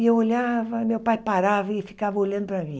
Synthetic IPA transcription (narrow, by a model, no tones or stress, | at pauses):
ewoʎavɐmewpajpaɾavɐɪfi̥kavɐoʎɐ̃nd̪ʊpɾɐmĩ